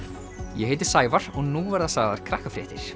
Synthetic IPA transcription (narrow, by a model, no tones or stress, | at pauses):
jɛɦeːjt̪ɪɾ̥saːjvaɾ̥ɔɣnuvaɾðasaɣða̰ɾ̥kʰɾahkafɾjɛːht̪ɪɾ̥